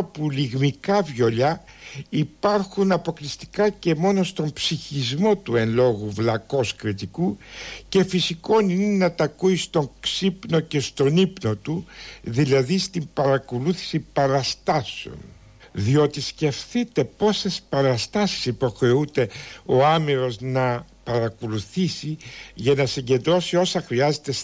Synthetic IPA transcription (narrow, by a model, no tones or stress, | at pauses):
puliɣmikɐvʝo̞ʎɐipɐɾxunɐpo̞klist̪i̥kɐce̞mo̞no̞st̪o̞mpsiçizmo̞t̪ue̞nlo̞ɣuvlɐko̞skɾit̪ikuce̞fisiko̞ninenɐt̪ɐkuist̪o̞ŋksipno̞ce̞st̪o̞nipno̞t̪uðilɐðist̪impɐɾɐkoluθi̥sipɐɾɐst̪ɐseo̞̰n | ðio̞t̪isce̞fθit̪e̞po̞se̞spɐɾɐst̪ɐsi̥sipo̞xɾe̞ud̪e̞o̞ɐmiɾo̞znɐ | pɐɾɐkoluθisiʝɐnɐsiɲɟe̞nd̪ɾo̞sio̞sɐxɾiɐze̞t̪e̞s